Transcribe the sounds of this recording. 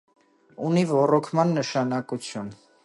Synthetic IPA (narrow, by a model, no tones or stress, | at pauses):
univɔrɔkʰmɑnːəʃɑnɑkut͡sʰjun